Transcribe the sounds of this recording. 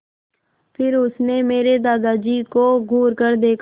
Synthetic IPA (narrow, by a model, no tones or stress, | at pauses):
pʰɪɾʊsnemeːɾed̪aːd̪aːd͡ʒiːkoɡʱuːɾkəɾd̪eːkʰ